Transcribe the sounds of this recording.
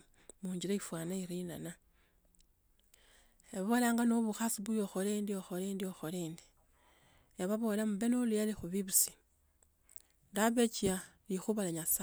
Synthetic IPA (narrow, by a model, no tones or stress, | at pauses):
muːɲɟilaifwaːnaiɾinana | eβolaːŋɡano̞βuxasiβujoxoleːndioxo̞lendioxoleːndi̥ | jaβaβo̞lamuβe̞nolujalixuβiβusi̥ | ndaβet͡ʃialixuβalaɲasa